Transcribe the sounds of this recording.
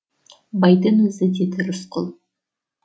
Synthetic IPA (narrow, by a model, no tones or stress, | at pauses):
bɑjd̪ənwɵzɪd̪ed̪ʊɾʊsqʰʊlˠ